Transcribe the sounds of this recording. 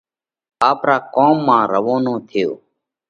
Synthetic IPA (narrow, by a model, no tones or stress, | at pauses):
aːpɾaːkoːmːãːɾəʋoːnõːt̪ʰɪjo̰ː